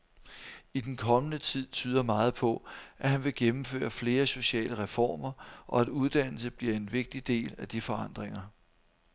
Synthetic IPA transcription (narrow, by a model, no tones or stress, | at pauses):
id̥enkʰɒ̽mənət͡sʰið̞̰ˠt͡sʰyːðˠɐmɑ̈ːð̞̩ˠpʰɒ̽ʔæhænʋe̝ɡ̥emm̩fø̰ːɐfle̝ːɐso̝ɕɛ̰ːləʁɛfɒ̰ːmɐʔɒ̽æd̥uð̞ˠd̥æn̰l̩səb̥liɐ̰e̝nʋe̝ɡ̥̚d̥id̥e̝̰ːlæd̥ifɒ̽ɑ̈n̰d̥ʁeŋɐ